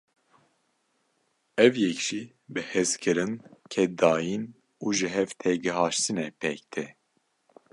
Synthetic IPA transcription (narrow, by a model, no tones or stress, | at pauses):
ɛvjɛkʒ̥i | bɨhɛzkʰɨɾɨnkʰɛd̪ɑːjin | uʒɨɦɛvt̪ʰɛɡɨɦɑːʃt̪ɨnɛpʰɛkt̪ʰɛ